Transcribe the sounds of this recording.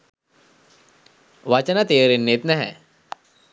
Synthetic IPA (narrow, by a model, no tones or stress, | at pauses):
ʋat͡ʃɐnat̪eːɾenːet̪nɛɦɛ̰